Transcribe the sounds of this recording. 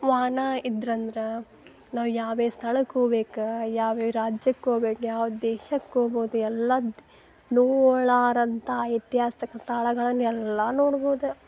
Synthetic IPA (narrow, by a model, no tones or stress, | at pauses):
ʋaːnaid̪ɾɐnd̪ɐɾe | naːʋujaːʋeːst̪ʰɐɭɐkːoːbeːkujaːʋeːɾaːd͡ʒjɐkːoːbeːkjaːʋɐdd̪ɛːʃɐkːoːboːd̪uɛlːɐd̪ | noːɭaːɾɐnt̪ɐjit̪jaːsɐ̥t̪ɐkːɐst̪ʰɐɭɐɡɐɭɐnːɛlːanoːɽboːd̪u